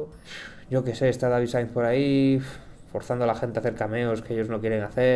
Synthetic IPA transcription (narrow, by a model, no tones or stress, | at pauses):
ɟ͡ʝo̞ke̞se̞ːst̪aðaβisajnθpo̞ɾaif | fo̞ɾθand̪olaxe̞nt̪eaθeɾkame̞oskeeʎo̞zno̞kje̞ɾeŋaθe